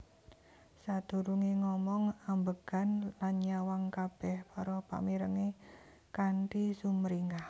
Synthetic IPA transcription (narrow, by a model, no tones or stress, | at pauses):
sad̪̥uɾuŋeŋɔmɔŋambəɡ̥a̤nlanɲawaŋkab̥ɛhpɔɾɔpa̰miɾəŋe | kaɳʈisumɾiŋɡah